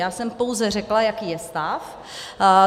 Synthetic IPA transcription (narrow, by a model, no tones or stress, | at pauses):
jaːsɛmpo̞wzɛrɛklajakiːjɛst̪af